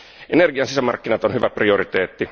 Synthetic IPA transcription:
ʔenerɡiɑnsisæmɑ̰rkːinɑt̪onhyʋæprioɾit̪eːt̪ːi

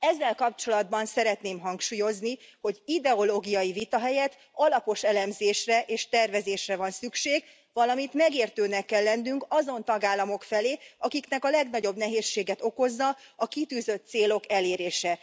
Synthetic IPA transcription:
ɛzːɛlkɒpt͡ʃo̞lɒd̪bɒnsɛɾɛt̪neːmɦɒŋkʃuːjo̞zniho̞ɟid̪ɛoloːɡijɒjivit̪ɒɦɛjɛt̪ | ɒlɒpo̞ʃɛlɛmzeːʃrɛʔeːʃt̪ɛrvɛzeːʃrɛvɒnsykʃeːɡ | vɒlɒmit̪mɛɡeːrt̪øːnɛkːɛlːɛnːyŋkɒzo̞nt̪ɒɡaːlːɒmo̞kfɛleːɒkikn̪ɛkɒlɛɡnɒɟo̞bnɛɦeːʃːeːɡɛt̪oko̞zːɒɒkit̪yːzø̞t̪t̪seːlo̞kɛleːɾeːʃɛ

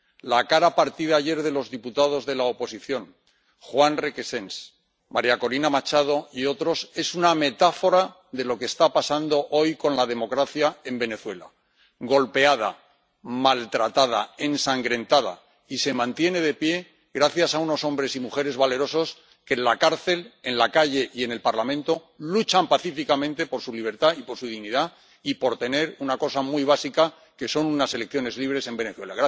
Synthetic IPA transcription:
lakaɾapaɾt̪iðaːʝe̞ɾðe̞lo̞zðiput̪að̞o̞zðe̞laopo̞siθjo̞n | xwanrekese̞ns | maɾjako̞linamat͡ʃað̞o̞io̞t̪ɾo̞se̞suname̞t̪afo̞ɾa | ðe̞lo̞kest̪apasand̪o̞ʔo̞jko̞nlað̞e̞mo̞kɾaθjae̞mbe̞ne̞θwe̞la̰ | ɡo̞lpe̞aða̰ | malt̪ɾat̪að̞a̰ensaŋɡɾe̞nt̪aða̰ | ise̞mãnt̪je̞ne̞ð̞e̞pje̞ | ɣɾaθjasauno̞sõ̞mbɾe̞simuxe̞ɾe̞zβale̞ɾo̞so̞s | ke̞nlakaɾθe̞le̞nlakaʝe̞ʔie̞ne̞lpaɾlamẽ̞nt̪o̞ | lut͡ʃampaθifikamẽ̞nt̪e̞po̞ɾsuliβ̞e̞ɾt̪aipo̞ɾsuð̞iɣniða | ipo̞ɾt̪e̞ne̞ɾunako̞samujβ̞asika | ke̞so̞nunase̞lek̚θjo̞ne̞zliβ̞ɾe̞se̞mbe̞ne̞θwe̞laɣa

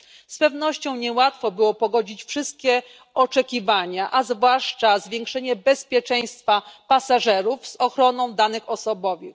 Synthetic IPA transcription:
spɛvnɔɕt͡ɕɔ̃w̃ɲɛwat̪fɔbɘwɔpɔɡɔd͡ʑit͡ɕfʂɘst̪̚kʲɛ | ɔt͡ʂɛkʲivaɲaʔazvwaʂt͡ʂazvʲjɛ̃ŋkʂɛɲɛbɛspʲjɛt͡ʂɛj̃st̪fapasaʐɛɾufzɔxɾɔnɔ̃w̃d̪anɘxɔsɔbɔvɘx

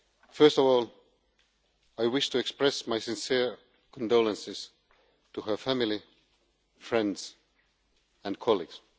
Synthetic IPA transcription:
fɜ˞stɔvɔːlˠ | aɪwɪʃtʰuɛkspɹɛsmaɪsɪ̃nsiɹ | kʰɔ̃ndoʊlə̃nsɪz̥ | tʰuhə˞fæmilˠi | fɹɛ̃ndz̥ | æ̃nkʰɑlˠiɡs

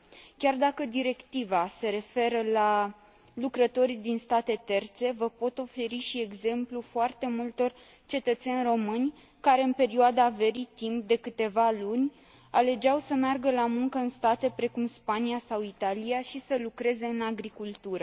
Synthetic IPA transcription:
kʲard̪akəd̪iɾe̞kt̪ivase̞ɾe̞fe̞ɾəla | lukɾət̪o̞ɾid̪inst̪at̪e̞t̪e̞rt̪se̞vəpo̞t̪o̞fe̞ɾiʃie̞ɡze̞mplufoart̪e̞mult̪o̞r | t͡ʃe̞t̪ət̪se̞nʲro̞mɨnʲ | kaɾe̞ɨnpe̞ɾioad̪ave̞ɾit̪imp̚d̪e̞kɨt̪e̞valunʲ | ale̞d͡ʒawsəmearɡəlamuŋkəɨnst̪at̪e̞pɾe̞kumspaniasawit̪aliaʃisəlukɾe̞ze̞ɨnaɡɾikult̪uɾə

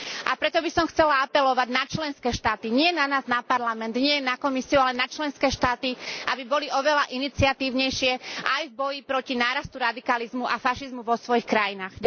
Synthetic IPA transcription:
ʔapɾɛt̪ɔbisɔmxt͡sɛlaapɛlɔʋaɟnat͡ʃlɛnskɛːʃt̪aːt̪iɲɪɛnanaːznapaɾlamɛnd̪ɲɪɛjɛnːakɔmisiualɛnat͡ʃlɛnskɛːʃt̪aːt̪iʔabibɔliɔʋɛlaʔinit͡siat̪iːʊɲɛjʃɪɛʔajvbɔjipɾɔcinaːɾast̪uɾad̪ikalizmuʔafaʃizmuʋɔsʋɔjixkɾajinaːɣ

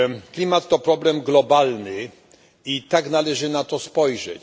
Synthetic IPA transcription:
klʲimat̪ːɔpɾɔblɛmɡlɔbalnɘ | it̪aknalɛʐɘnat̪ɔspɔjʐɛ̰t͡ɕ

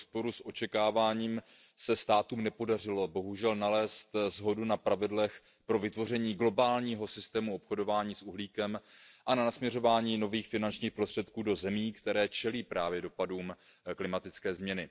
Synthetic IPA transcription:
spo̞ɾusʔo̞t͡ʃɛkaːvaːɲiːmsɛst̪aːt̪uːmnɛpo̞darɪlo̞bo̞ɦuʒɛlnalɛːst̪zɦo̞dunapɾavɪdlɛx | pɾo̞vɪt̪vo̞rɛɲiːɡlo̞baːlɲiːɦo̞sɪst̪ɛːmuo̞pxodo̞vaːɲiːsʔuɦliːkɛmʔananasmɲɛro̞vaːɲiːno̞viːxfɪnant͡ʃɲiːxpɾost̪r̥ɛt̪kuːdo̞zɛmiːkt̪ɛɾɛːt͡ʃɛliːpɾʔaːvjɛdo̞paduːmklɪmat̪ɪt͡skɛːzmɲɛnɪ

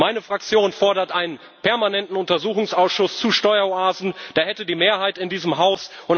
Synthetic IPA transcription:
maɪnəfʁ̥ak̚t͡sjoːnfɔɐɾɐtʔaɪnən | pʰɛɐmanɛntn̩ʊntɐzuːxʊŋsaʊsʃʊst͡suːʃtɔʏɐoaːzn̩d̥aːɐhɛtədiːmeːɐɦaɪtɪndiːzəmɦaʊsʔʊn

